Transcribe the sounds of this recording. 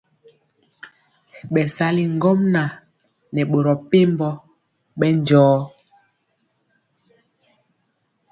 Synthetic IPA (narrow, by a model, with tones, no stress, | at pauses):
ɓɛ˨sa˦li˨ŋ̩˦ɡo˦mna˨ | nɛ˨ɓo˨ɾɔ˨pe˦mbɔ˦ | ɓɛ˦n˦d͡ʒɔː˨˦